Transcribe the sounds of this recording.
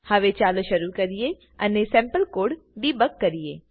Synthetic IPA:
hɐʋet͡ʃaːloʃɐɾukɐɾije | ɐnesɛ̃ːmpəlkoːɖbibɐkːɐɾiḛː

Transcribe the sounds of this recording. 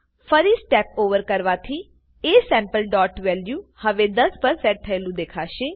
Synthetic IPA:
pʰəɾiːsʈɛːp̚oːʋəɾkəɾʋaːt̪ʰiː | eːsɛ̃ːmpəlɖɔːʈʋɛːljuːhəʋeːd̪əspəɾsɛːʈ̚t̪ʰəlũːd̪eːkʰaːʃeː

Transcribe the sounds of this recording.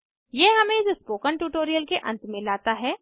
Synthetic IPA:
jeːɦɐmẽd͡ʒʊspoːkəɳʈuːʈoːɾijəlkeʔɐ̰̃nt̪mɪ̃laːt̪aɦɛː

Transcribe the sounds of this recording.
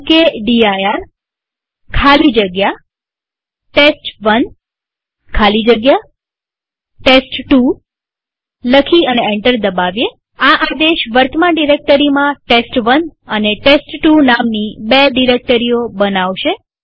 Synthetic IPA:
keɖiajaɾ | kʰalid͡ʒəɡja | ʈesʈʋən | kʰalid͡ʒəɡja | ʈesʈʈu | ləkʰiəneeɳʈəɾd̪əbaʋje | aʔad̪eʃʋəɾt̪ʰmaɖiɾek̚ʈəɾimãʈesʈʋənəneʈesʈːunamnibeɖiɾek̚ʈəɾijobənaʋʃe

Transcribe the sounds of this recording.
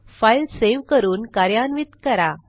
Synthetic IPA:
fajlseʋkəɾuːnkaɾjanʋit̪kəɾa

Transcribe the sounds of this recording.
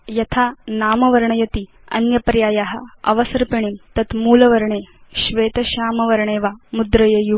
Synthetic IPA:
jɐt̪ʰaːnaːmɐʋɐɾɐɳɐjɐt̪i | ɐ̰njɐpɾjaːjaːɦɐ̆ɐ̰ʋɐsɐɾpiɳimt̪ɐt̪muːlɐʋɐɾɐɳeːʃʋeːt̪ɐʃaːmɐʋɐɾɐɳeːʋaːmud̪ɾɐjɐju

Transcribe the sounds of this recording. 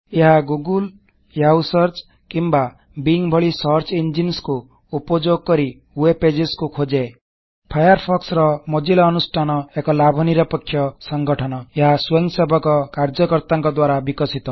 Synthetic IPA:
eɦaɡuɡul | jawsɔɾt͡ʃ | kimba | biŋbʱɔɭisɔɾt͡ʃind͡ʒinsku | upɔd͡ʒoɡ̚kɔɾi | ueped͡ʒeskukʰod͡ʒe | pʰajɔɾpʰɔksɾɔmod͡ʒilɔːnusʈʰanɔekɔlabʱɔniɾɔpɔkʰːjɔsɔŋɡɔʈʰɔnɔeɦasweŋsebʱɔkɔkaɾd͡ʒɔkɔɾt̪aŋkɔd̪waɾabikɔsit̪ɔ

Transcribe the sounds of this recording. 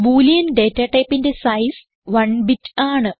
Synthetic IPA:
buːlijɐnɖe̞ːtːɐʈɐjpːinde̞sɐjs | ʋɐɳbitːaːɳɨ

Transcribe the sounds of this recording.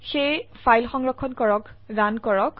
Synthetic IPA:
xejfʰajlxɔŋɹɔkʰːɔnkɔɹɔkdankɔɹɔk

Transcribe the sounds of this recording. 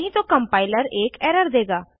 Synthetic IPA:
ɦĩːt̪oːkəmpaːɪləɾeːkɛːɾəɾd̪eːɡaː

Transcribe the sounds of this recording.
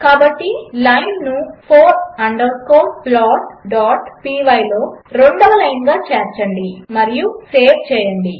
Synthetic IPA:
kaːbɐʈːilɐjnnupʰoːɾɐɳɖɐɾskoːplaːʈ̚ɖaːʈpiːʋɐjlo̞ːɾeɳɖɔʋɐlɐjnɡaːt͡ʃɛːɾt͡ʃɐɳɖimɐɾijuseːʋt͡ʃɛːjɐɳɖi

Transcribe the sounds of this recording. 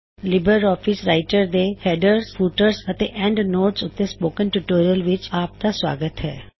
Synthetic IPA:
lɪbəɾɔːfɪsɾaːɪʈəɾd̪ehɛːɖəɾsfuːʈəɾsɐt̪eʔɛ̃ɳɖnoːʈsʊt̪ːespoːkə̃nʈuʈoːɾijəlʋɪt͡ʃaːp̚t̪asʋa̰ːɡət̪ɦɛ̰ː

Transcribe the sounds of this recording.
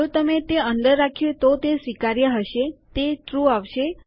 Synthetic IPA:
ut̪əmet̪eənd̪əɾːakʰjot̪ot̪esʋikaɾjəɦəʃet̪eʈɾuaʋʃe

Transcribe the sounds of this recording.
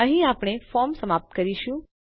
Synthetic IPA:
ə̃ɦĩapɽ̃efɔɾmsəmap̚t̪kəɾiʃũ

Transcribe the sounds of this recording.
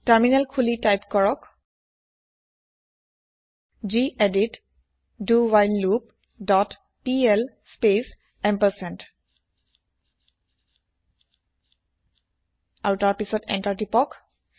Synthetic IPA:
taɹminalkʰulitajpkɔɹɔk | d͡ʒiʔedit | duwajlːup | dɔt | piɛl | spes | ɛmpəsɛnt | awtaɹpisɔtɛ̰ntaɹtipɔk

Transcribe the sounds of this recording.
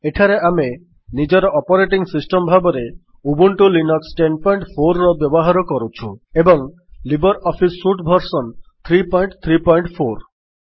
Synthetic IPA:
eʈʰaɾeʔame | nid͡ʒɔɾɔʔɔpɔɾeʈiŋsisʈɔmbʱabɔɾe | ubuɳʈulinɔksʈenpɔjɳʈpʰoɾːɔbjɔbɔɦaɾɔkɔɾut͡ʃʰuebɔŋ | libɔɾɔpʰisːuʈbʱɔɾsɔnt̪ʰɾipɔjɳʈt̪ʰɾipɔjɳʈpʰoɾ

